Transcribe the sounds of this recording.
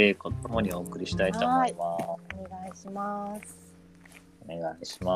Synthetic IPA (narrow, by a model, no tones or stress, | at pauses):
ekot̪o̞mo̞ɲ̟io̞ːkɯ̟ɾʲiɕi̥t̪ait̪o̞moimaoneɡaiɕimas | one̞ɡaiɕi̥ma